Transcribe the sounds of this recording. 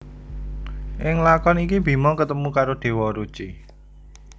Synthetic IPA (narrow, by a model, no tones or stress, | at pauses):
ʔɪŋlakɔnikib̥i̤mɔkət̪əmukaɾoɖ̪̥e̤wɔɾu̥t͡ʃi